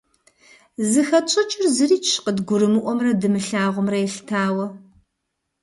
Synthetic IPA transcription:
zɨxɐt͡ʃʼɐt͡ʃʼɪrzɨɾiːt͡ʃʃqədɡʷʊɾɨmɨʔʷɔmrɐdɨmɨɬaːʁʷʊmrɐɛɬtʰaːwɐ

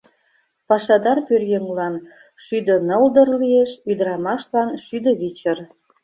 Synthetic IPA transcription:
pɑʃɑd̪ɑrpyrjəŋlɑn | ʃyd̪ə̆nəld̪ə̆rlieʃyd̪əɾɑmɑʃlɑnʃyd̪ə̆βit͡ɕə̆r

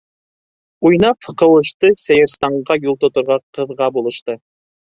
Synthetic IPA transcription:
ujnɑpqɤ̆wɤ̆ʃt̪ɤsæjɘ̆ɾst̪ɑɴʁɑjulˠt̪ŏt̪ŏɾʁɑqɤ̆ðʁɑbulˠɤ̆ʃt̪ɤ

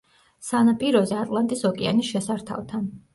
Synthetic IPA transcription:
sanapʼiɾɔzɛat̪ʼlˠant̪ʼisɔkʼɛa̰nisʃɛsaɾt̪ʰa̰vt̪ʰan

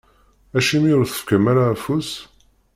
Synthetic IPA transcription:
æʃimiʊɾθə̥fkəmaɾaːfus

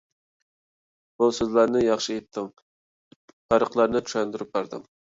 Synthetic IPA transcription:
busøzlæɾnɪjɑχʃiet̪ʰːɪŋ | pɑɾəqlˠɑɾnɪt͡ʃʰy̥ʃɛnd̪yɾyp̚bɑɾd̪ɨ̰m

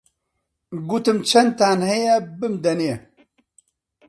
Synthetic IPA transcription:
ɡuːt̪ɨmt͡ʃʰɐn̚t̪aːnhɛjɛbɨmd̪ɐne

